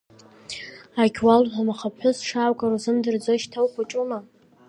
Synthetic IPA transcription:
aɡʲʰwalħʷamaχapħʷʊsʂaːkʼaɾuzɨmdɨrd͡zoʃtʰawkʰʷaʈ͡ʂʼuma

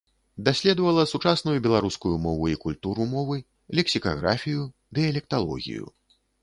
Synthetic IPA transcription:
d̪asʲlʲɛd̪ɐvɐlˠɐsut͡ʂasnujubʲɛlˠaɾuskujumɔvuikulʲt̪uɾumɔvɨ | lʲɛksʲika̰ɣɾafʲiju | d̪ɨjɐlʲɛk̚t̪alˠɔ̰ɣʲḭjṵ

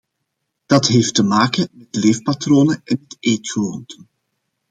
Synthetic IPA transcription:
d̥ɑtɦeːftəmaːkəmɛtleːfpatroːnəɛnəteːtxəlontʰən

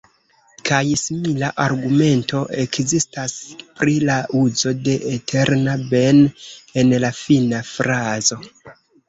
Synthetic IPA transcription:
kajsimilaʔaɾɡume̞nto̞ʔe̞kzistaspɾilaʔuzo̞de̞ʔetʰeɾnabe̞ne̞nlafinafɾazo̞

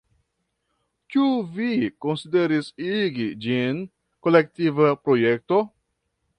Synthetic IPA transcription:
kiuviko̞nside̞ɾisiɡid͡ʒin | kolektivapɾo̞jek̚to

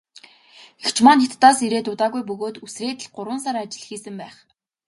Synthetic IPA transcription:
ekt͡ɕʰmanit̪ːaːsiɾeːt̪ʊt̪aːɣujpɵɣoːt̪usreːt̪ɘ̆ɮɢʊɾwə̆nsaɾat͡ɕɪ̆ɮ̆xiːsɘ̆mpæːχ

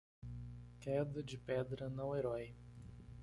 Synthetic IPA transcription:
kɛd̪ɐd͡ʒɪpɛd̪ɾɐnɐ̃w̃eɾɔj

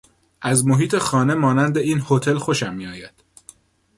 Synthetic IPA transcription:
ʔæzmoɦiːt̪ʰe̞xɒːne̞mɒːnænd̪eiːnhot̪ʰe̞lxo̞ʃæmːiɒːjæd̪̥

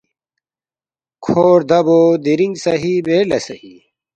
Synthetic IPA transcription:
kʰoːɾd̪ɐboːd̪iɾiŋɡsɐɦibeːlɐsɐhi

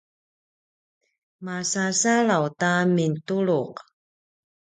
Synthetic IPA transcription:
masasaɭawtamintuɭuq

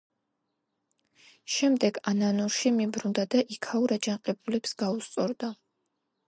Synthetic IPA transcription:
ʃɛmd̪ɛɡananɔɾʃimibɾund̪ad̪aʔikʰauɾad͡ʒanqʼɛbulɛpsɡ̥aust̪sʼɔɾd̪a

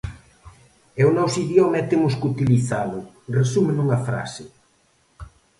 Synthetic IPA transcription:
ɛunɔsiðjɔmɛt̪eŋʊskut̪iliθalʊ | resumenuŋɐfɾa̰sɪ

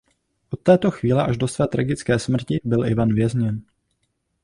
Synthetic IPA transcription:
ʔot̪ːɛːt̪o̞xviːlɛʔaʒdo̞svɛːt̪ɾaɡɪt͡skɛːsmr̩cɪbɪlʔɪvanvjɛzɲɛn

